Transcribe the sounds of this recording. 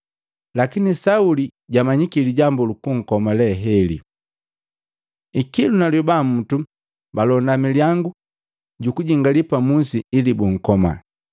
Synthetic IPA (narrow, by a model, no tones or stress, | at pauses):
lakinisauliɟamaɲikiliɟambulukuŋ̩kɔmalɛɦɛlḭ | ikilunaljubam̩tu | balɔndamiljaŋɡu | ɟukuɟiŋɡalipamunsiilibuŋ̩kɔma̰